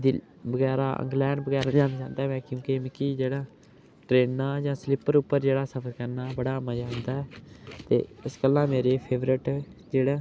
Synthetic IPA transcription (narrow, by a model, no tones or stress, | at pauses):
d̪i | bəɡɛːɾa̰ːʔə̰̃ŋɡlɛːɳɖbəɡɛːɾad͡ʒãːnaːt͡ʃãːnd̪aːmɛ̃ːkjõːkemɪkːiːd͡ʒeːɽaː | ʈɾeːnːaːd͡ʒãːslɪpəɾʊpːəɾd͡ʒeːɽaːsəpʰəɾkəɾnaːbəɽaːmaːd͡ʒãːnd̪aːɛːt̪ḛːɪskəlãːmeːɾeːpʰeːʋɾɪʈd͡ʒeːɽaː